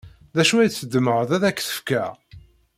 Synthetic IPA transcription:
ðæʃuæt͡sːəd̪ːməʁəðæðækːθə̥fkæ

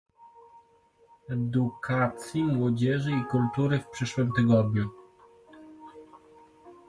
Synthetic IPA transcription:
ɛd̪ukʰat̪sʲjimwɔd͡ʑɛʐɘikult̪uɾɘfpʂɘʂwɘmt̪ɛɡɔd̪ɲu

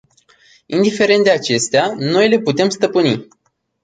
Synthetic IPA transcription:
ind̪ife̞ɾe̞nt̪d̪e̞at͡ʃe̞st̪eano̞jle̞put̪e̞mst̪əpɨni

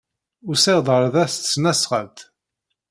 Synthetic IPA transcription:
ʊɾsɪʁd̪ˤʁəɾˤðæst̪snæsʁəlt̪

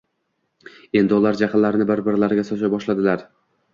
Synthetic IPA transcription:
e̞nd̪ɪʊlaɾd͡ʒaqʰɨnlaɾɪnɪbɪɾbɪɾlaɾɡʲasɒt͡ʃajbɒʃlad̪ɪlaɾ

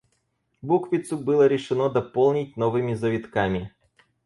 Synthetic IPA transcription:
bukvʲɪt̪sʊbɨlˠəɾʲɪʂɨnod̪ɐpolˠnʲɪt̚ʲnovɨmʲɪzɐvʲɪt̪kamʲɪ

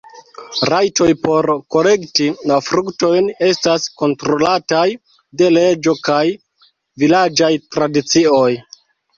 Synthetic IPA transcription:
ɾajto̞jpo̞ɾko̞le̞ktilafɾukto̞jne̞stasko̞ntɾo̞lataj | de̞le̞d͡ʒo̞kaj | vilad͡ʒajtɾadit͡sio̞j

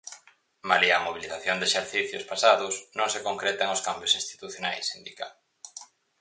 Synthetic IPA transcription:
maliamoβ̞iliθaθjond̪eʃeɾθiθjʊspasaðʊsnõŋsekoŋkɾet̪eŋʊskambjosĩnst̪i̥t̪uθjonajsind̪ika̰l

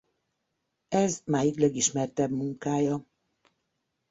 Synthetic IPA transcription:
ɛzmaːjiklɛɡiʃmɛrt̪ɛbmuŋkaːjɒ

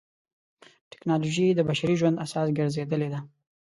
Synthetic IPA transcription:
ʈɪ̥knɑloʒid̪əbaʃaɾiʒwand̪asɑsɡəɾzed̪əled̪a

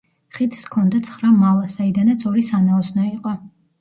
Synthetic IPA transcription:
χit̪ʰskʰɔnd̪at̪sʰχɾamalˠasaid̪anat̪sʰɔɾisanaɔsnaiqʼɔ

